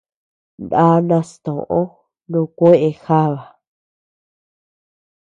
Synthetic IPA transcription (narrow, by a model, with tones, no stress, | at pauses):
nd̪a˦nã˧st̪õ˨ʔõ˦ | nũ˧kʷe˦ʔe˧xa˦βa˨